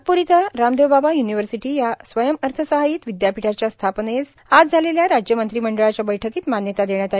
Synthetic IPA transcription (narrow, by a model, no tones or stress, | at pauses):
puɾit̪əɾamd̪ewbabajuniʋəɾsiʈiːjasʋəjəməɾt̪ʰəsəɦajiːt̪ʋid̪japiʈʰat͡ɕjast̪ʰapnes | ad͡zd͡zʱaleljaɾad͡ʑjəmənt̪ɾiːməɳɖəɭat͡ɕjabəjʈʰəkiːt̪manjət̪ad̪eɳjat̪ai